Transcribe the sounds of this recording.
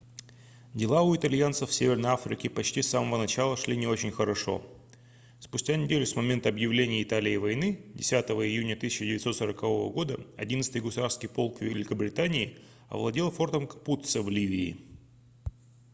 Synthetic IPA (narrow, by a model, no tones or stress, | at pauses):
dʲɪlˠaʊɪt̪ɐlʲjant̪səfsʲevʲɪrnəjafɾʲɪ̰kʲɪpɐt͡ɕtʲisːaməvənɐt͡ɕalˠəʂlʲinʲɪo̞t͡ɕɪnʲxəɾɐʂo̞̰ | spʊsʲtʲanʲɪdʲelʲʊsmɐmʲent̪əɐbjɪvlʲenʲɪjəɪt̪alʲɪːvɐjnɨdʲɪsʲat̪əvəɪjunʲət̪ɨsʲɪt͡ɕɪdʲɪvʲɪt̪so̞t̪səɾəkɐvo̞və̰ɡo̞d̪əɐ̰dʲint̪sɨt̪ɨjɡʊsʊd̪afskʲɪjpo̞lˠkvʲɪɪlʲɪkəbɾʲɪt̪anʲɪɪ | ɐ̰vlˠɐdʲilˠfo̞rt̪əmkɐ̥put̪səvlʲivʲɪ̰ː